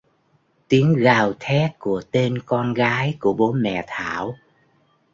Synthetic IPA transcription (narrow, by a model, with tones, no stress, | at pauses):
t̪i˨˦əŋɣaː˨˩wt̪ʰɛ˦˥t̚ku˧˩ət̪e˧nkɔ˧nɣaː˨˦jku˧˩əɓo˨˦mɛ̰˧˨t̪ʰaː˧˩˨w